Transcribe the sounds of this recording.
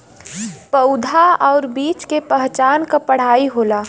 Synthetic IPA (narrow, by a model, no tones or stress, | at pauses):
pəʊd̪ʱaɔːɾbiːt͡ʃkepəɦt͡ʃaːnkapəɽ̤aːiɦoːla